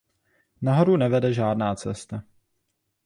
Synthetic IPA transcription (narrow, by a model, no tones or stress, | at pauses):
naɦoɾunɛvɛdɛʒaːdnaːt͡sɛst̪a